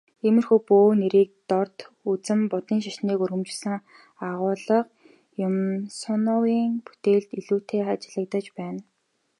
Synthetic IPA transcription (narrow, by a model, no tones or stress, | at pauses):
emɘ̆rxuːpoːneɾiːk̚t̪ɔr̥t̪ | ut͡sɘ̆mpʊt̪iːŋʃaʃniːkurɣɘ̆mt͡ɕɪ̆ɮsə̆ŋ | aʁʊːɮɞ̆q | jʊmsʊnʊwiːŋpu̥t̪eːɮt̪iɮuːt̪ʰeːχat͡ɕɪ̆ɮə̆k̚t̪ə̆t͡ɕpæːn